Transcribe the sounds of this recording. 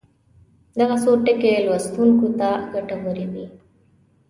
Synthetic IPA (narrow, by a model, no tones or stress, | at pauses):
d̪aɣasoʈekelwast̪unkut̪aɡaʈaboɾid̪i